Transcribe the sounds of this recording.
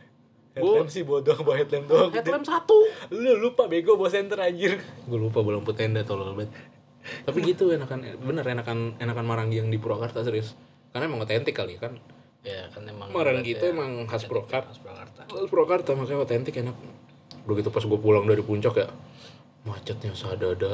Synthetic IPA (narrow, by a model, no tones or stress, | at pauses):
hɛt̪ɛmsɪhbodoaŋboaɦɛt̪lɛmdoaŋɛt̪lɛmsat̪ululupabeɡobos̬ɛnt̪əɾad͡ʒɪrɡualupabolaŋput̪ɛndat̪olɔlbɛt̪̚ː | apiɡit̪uenakanbənəɾenakanenakːanmaɾaŋɡijaŋdipuɾakart̪asəɾis | kanaemaŋot̪ɛnt̪ɪkːaliakan | jakanmmaɾaŋkit̪ɛemaŋɦaspɾokaart̪ahaspuɾakart̪amakajaot̪ɛnt̪ɪkenak̚ | udaɡit̪upasɡuapulaŋdaɾipuɲt͡ʃɔkja | mat͡ʃat̪̚ɲasadada